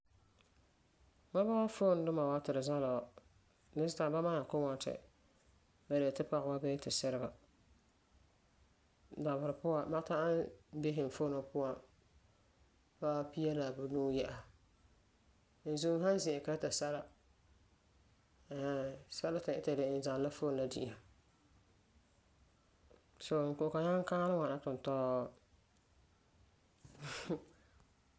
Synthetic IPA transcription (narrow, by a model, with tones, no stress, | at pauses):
ma˦ba˦wa˦fo˦n˦dʊ˦ma˨wa˦tɪ˨ɾɨ˨za˦la˨wa˨ | nɪ˦zta˨ba˦ma˦na˨kʊ˦ŋɔ˨n˦tɪ̰˨ | ba˨de˨tɪ˦pa˨ɣwa˦bɛ˦tɪ˨sɪ˦ɾɪ˦ba˨ | da˨βʊ˨ɾɪ˨pʊ˦a˨ma˦ta˦ʔa˦nbe˦ɦɪ˨n˨fo˦nʊ˨pʊ˦wa˨ | ba˦pi˦a˦la˨bʊ˨nuː˦jɛ˦ʔa˨ | n̩˨zu˦m˦ɦa˦n˦zɪ̃˨ɛ˨ka˦ta˨sa˦la˦˨ | sa˦la˦ta˨ʔɪ˦ta˨dɪ˨n˨za˨˦la˦fo˦n˦a˨dɪ̰˦˨ʔa˨ | so˨ŋ̩˨ko˨ka˨ɲa˦ŋ˦ka˦lɨ˦wa˨na˦tʊ˨n˨tɔː˦